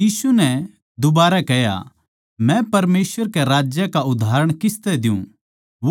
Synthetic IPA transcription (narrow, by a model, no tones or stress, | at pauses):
jiːsunɛ | d̪ʊbaːɾakɛja̰ | mɛ̃pɐɾmeːsʋəɾkɛɾaːd͡ʒjəkaʊd̪ʱaːɾəɽ̃kɪst̪ɛd̪ɪjṵ̃ | ʋ